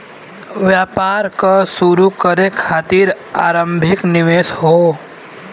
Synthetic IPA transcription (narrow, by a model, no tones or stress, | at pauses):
ʋjapaɾkasuɾukəɾekʰaːt̪iɾ | a̰ːɾə̃mbʱɪknɪʋeːsɦo